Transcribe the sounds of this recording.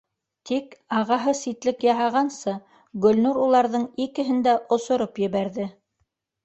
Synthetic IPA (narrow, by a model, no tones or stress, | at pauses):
t̪ʰikɑʁɑɦɤsit̪lɘkjɑɦɑʁɑnsɤ | ɡɵ̆lnuɾulˠɑɾðɤɴikɘ̆ɦɘ̆nd̪æʔŏsŏɾopjɘ̆βæɾðɘ